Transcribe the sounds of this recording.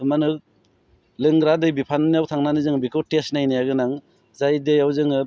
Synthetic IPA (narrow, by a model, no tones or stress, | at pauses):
manɯk̚ | lɯŋɡɾadɯjbipʰannijawtʰaŋnanizɯŋbikʰɯtesnajnijaɡɯnaŋ | zajdɯjawzɯŋɯ